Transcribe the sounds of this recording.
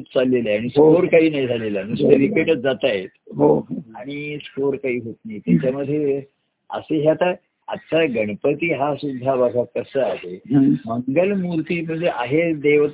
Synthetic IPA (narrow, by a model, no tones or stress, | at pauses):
t͡salːeleaɽ̃iskoɾkaɦiːnaid͡zʱalelənuseɾipeʈət͡s̚d͡zat̪ajet̪ɦoaɽ̃iskoɾkaɦiːɦot̪najt̪jat͡ɕaməd̪ʱːje | ə̰seɦjat̪a | a̰tsaɡəɽ̃əpət̪iːɦasud̪ʱːaʋəɡʱakːəsəːaɦeməŋɡəlmuɾt̪iːm̤əɳd͡zʱeʔaɦed̪eʋt̪